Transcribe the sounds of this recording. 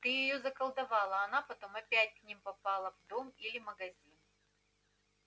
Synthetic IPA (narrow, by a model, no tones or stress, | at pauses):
t̪ɨjɪjozɐkɐlˠd̪ɐvɑlˠɐɐnapɐt̪o̞mɐpʲætʲknʲimpɐpalˠəvd̪omilʲɪməɡɐzʲin